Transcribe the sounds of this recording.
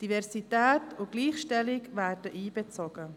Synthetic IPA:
d̥ivɛɾsitɛːtʊɡ̥liːχʃtɛlɪkvæːɾdəʔiːbet͡soɡ̥ə

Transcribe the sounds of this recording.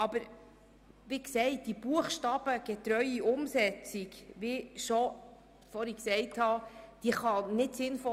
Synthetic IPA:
ɑb̥əɾ | ʋiksɛɪt̚d̥ibuəχʃtɑb̥əɡ̥ɛtɾœʏiʊmsɛt͡sikʋiʃɔ | fɔɾiksɛɪthɑd̥iːəχɑnɪtsɪnfɔ

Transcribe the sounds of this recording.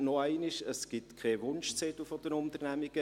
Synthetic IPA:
nɔæɪnɪʃəsɡ̥ɪt̪kʰeːʋʊnʃt͡sɛt̪ufɔd̥ənʊnt̪əɾnæmiɡ̥ə

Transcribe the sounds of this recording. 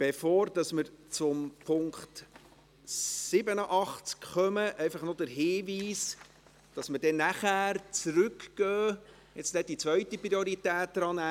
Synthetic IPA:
b̥efoːɾd̥ɑsməɾt͡sʊmpʰʊŋkt | sɪbənəʔɑχt͡skχœməʔɛjfɑχnod̥əɾɦɪːviːs | d̥ɑsməd̥ɛnæχæːɾt͡sɾʉkɡ̥œː | jɛt͡stɛdit͡sʋœɥtipɾioɾitɛːt̚dɾɑnæ

